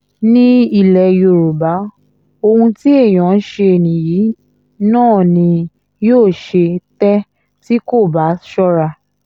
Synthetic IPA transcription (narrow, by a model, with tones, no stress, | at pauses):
nĩ˦i˦˨lɛ˨jo˨ɾu˨ba˨˦ | o˧hũ˧ti˦e˦˨j̃ã˨˦n˦ʃe˧e˨nĩ˨jiː˨˦ | nãː˦˨nĩ˧ | joː˦˨ʃe˧tɛ˦ | ti˦ko˦˨ba˨˦ʃɔ˦ɾa˧˨